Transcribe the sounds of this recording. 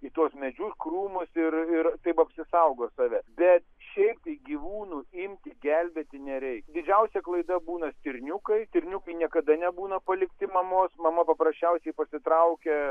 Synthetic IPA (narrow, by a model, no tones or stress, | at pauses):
it̪uɔsmʲɛd͡ʒʲʊskɾuːmʊsɪɾɪɾt̪ɐɪpɐpʲsʲɪsɐʊɡoːsɑːʋʲɛbʲɛt̪ʃʲɛɪp̚t̪ɐɪɡʲiːʋuːnuːɪmʲt̪ʲɪɡʲɛlʲbʲeːt̪ʲɪnʲɛɾʲɛɪkd̪ʲɪd͡ʒʲɛʊsʲɛklˠɐɪd̪ɐbuːnɐsʲt̪ʲɪɾʲnʲʊkɐɪt̪ʲɪɾʲnʲʊkɐɪnʲiɛkɐd̪ɐnʲɛbuːnɐpɐlʲɪkt̪ʲɪmɐmoːsmɐmɐpɐpɾɐsʲt͡ʃʲɛʊsʲɛɪpɐsʲɪt̪ɾɐʊkʲɛ